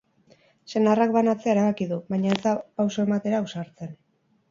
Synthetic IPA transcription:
se̞narakβanat͡se̞aeɾaβakiðuβajɲae̞zd̪apawsoe̞mat̪e̞ɾausaɾt͡se̞n

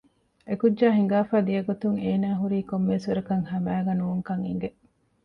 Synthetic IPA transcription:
ekudːd͡ʒaːɦiŋ̆ɡaːfaːd̪ijɐɡot̪uŋeːnaːɦuɾiːkomːesʋɐɾɐkɐŋhɐmæːɡɐnuːŋkɐŋḭŋ̆ɡe

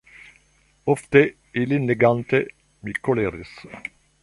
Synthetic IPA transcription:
ɔft̪ə | elɪnleɡɑnt̪ə | mikːoleɾɪs

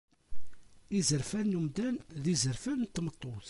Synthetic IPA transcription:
izəɾfænːumd̪ænðizəɾfænnt̪ːmət̪ˤːoθ

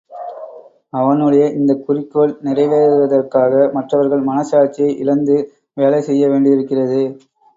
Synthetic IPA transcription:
ɐʋɐnɯɽɐjɐʔɪnd̪ɐkʊrɪkːoːɭnɪrɐɪʋeːɾɯʋɐðɐrkaːɣɐmɐʈrɐʋɐɾɣɐɭmɐnɐsaːɾt͡ʃːijɐɪʔɪlɐnd̪ɯ | ʋeːlɐɪsɛjːɐʋeːɳɖɪɪɾɯkːɪrɐðɯ

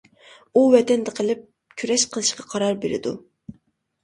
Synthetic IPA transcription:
uvɛt̪ɛnd̪ɛqʰəlˠɪp̚ | kʲʰyɾɛʃqʰəlˠɨʃqɑqʰɑɾɑɾbeɾɪ̰d̪u

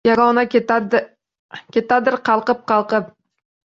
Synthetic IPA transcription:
jɑɾɑwnɑ | kʲʰet̪ad̪ɪɾqʰɑlˠqəp̚qʰɑlˠqəp̚

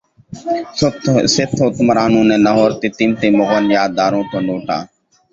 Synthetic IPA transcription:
t̪sɪt̪ʰoːt̪mɾaːnũːnẽːnəɦoːɾt̪iːt̪iːmt̪iːmʊɣʋənjaːd̪aːɾõːt̪õːnoːʈa̰ː

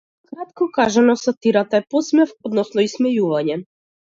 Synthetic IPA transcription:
kɾat̪̚kɔkaʒanɔsat̪iɾat̪aɛpɔsmɛfɔd̪nɔsnɔismɛjuvaɲɛ

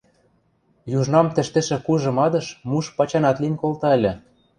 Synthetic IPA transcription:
juʒnɑmt̪ɘ̆ʃt̪ĕʃĕkuʒɤ̆mɑd̪ɤ̆ʃmuʃpɑt͡ɕɑnɑt̪linʲkolt̪ɑĕlʲĕ

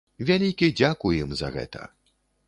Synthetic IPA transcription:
vʲalʲikʲid͡zʲakujimzɐ̰ɣɛ̰t̪ɐ̰

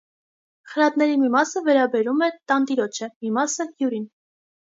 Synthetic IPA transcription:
χəɾɑt̪nɛɾimimɑsəvɛɾɑbɛɾumɛt̪ɑnt̪iɾɔt͡ʃʰəmimɑsəhjuɾin

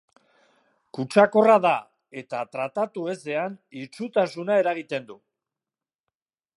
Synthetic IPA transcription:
kut͡ʃako̞raða | e̞t̪at̪ɾat̪at̪ue̞se̞anit͡sut̪asunae̞ɾaɣ̞it̪e̞nd̪u

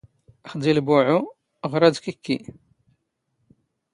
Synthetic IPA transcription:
əχd̪ilbuʕu | ʁɾˤɑd̪kikːi

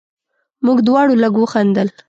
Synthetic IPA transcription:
muɡd̪wɑɽolaɡwəxand̪əl

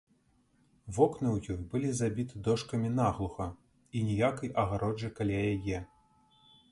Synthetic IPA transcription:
vɔknɨwjɔjbɨlʲizabʲit̪ɨd̪ɔʂkɐmʲinaɣlˠuxɐ | inʲijakɐjʔɐɣaɾɔd͡ʒɨkalʲajajɛ

